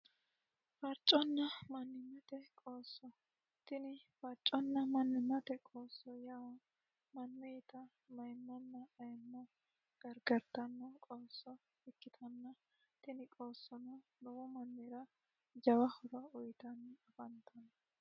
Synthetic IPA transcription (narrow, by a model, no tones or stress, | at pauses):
fɐɾt͡ʃʼːɔnːɐmɐnːɪmːɐt̪ɛkʼoːsːɔ | t̪ɪnɪfɐɾt͡ʃʼːɔnːɐmɐnːɪmːɐt̪ɛkʼoːsːɔjɐw | mɐnːɛjt̪ɐ | mɐjmːɐnːɐɐjnːɔ | ɡ̥ɐɾɡɐɾt̪ɐnːɔkʼoːsːɔ | ɪkːɪt̪ʰɐnːɐ | t̪ɪnɪkʼoːsːɔnɐnɔwɔmɐnːeɾɐ | d͡ʒɐwɐhɔɾɐʊjt̪ɐnːɐfɐnt̪ʰɐnɐ